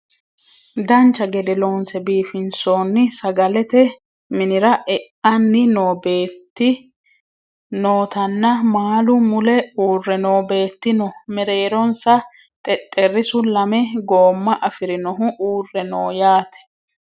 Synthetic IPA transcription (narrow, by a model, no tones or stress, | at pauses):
d̪ɐnt͡ʃːɐɡɛd̪ɛloːnsɛbiːfɪnsoːnːɪsɐɡɐlɛt̪ɛ | mɪnɪɾɐʔɛʔɐnːɪnoːbeːt̪ːɪ | noːt̪ɐnːɐmaːlʊmʊlɛuːrːɛnoːbe̞ːt̪ːɪnɔmɛɾe̞ːɾɔnsɐ | t̪ʼɛt̪ʼːɛrːɪsʊlɐmɛɡo̞ːmːɐʔɐfɪɾɪnɔɦʊʔuːrːɛnoːjaːt̪ɛ̥